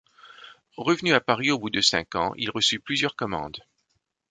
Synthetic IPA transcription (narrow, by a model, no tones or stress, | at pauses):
ʁəvnyapaʁiobud̪əsɛ̰̃kɑ̰̃ʔḭlʁəsyplyzjœʁkɔmɑ̰̃d̪